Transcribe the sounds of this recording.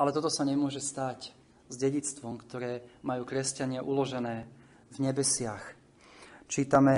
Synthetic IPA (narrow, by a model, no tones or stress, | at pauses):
ʔalɛt̪ɔt̪ɔsaɲɛmʊɔʒɛst̪ac | zɟɛɟit͡st̪ʋɔmkt̪ɔɾɛːmajuːkɾɛscaɲɪaʔulɔʒɛnɛː | vɲɛbɛsɪax | t͡ʃiːt̪amɛ